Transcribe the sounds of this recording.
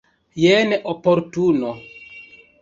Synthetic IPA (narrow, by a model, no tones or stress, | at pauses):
jeneʔopoɾtuno